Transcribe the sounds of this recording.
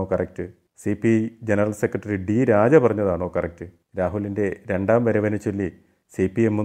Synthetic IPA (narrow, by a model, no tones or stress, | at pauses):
oːkɐrɐk̚tɨ | sipːijd͡ʑenɐrɐlsekrɐʈːrɐɾiɖiɾaːd͡ʑɐpɐrɐɲːɐðaːɳo̞ːkɐrɐk̚tɨ | ɾaːɦulːinde̞ɾe̞ɳɖaːmʋɐɾɐʋɐnɐt͡ɕːolːi | sipiemːu